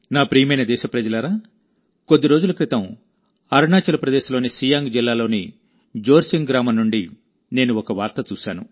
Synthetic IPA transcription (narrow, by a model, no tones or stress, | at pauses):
naːpɾiːjmɐjnɐd̪ɛːʃɐpɾɐd͡ʒɐlɐɾaː | ko̞d̪ːiɾo̞ːd͡ʒulɐkɾit̪ɐm | ɐɾɳaːt͡ʃɐlɐpɾɐd̪ɛːʃɐlo̞ːnisiːjaːŋɡd͡ʒilːaːlo̞ːni | d͡ʒoːɾsiŋɡɾaːmɐmnːuɳɖi | ne̞ːnuɔkɐʋaːɾt̪ɐt͡ʃuːʃa̰ːnṵ